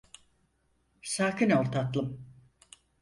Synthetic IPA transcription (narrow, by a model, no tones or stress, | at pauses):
saːkinoɾt̪ʰat̪lˠɯm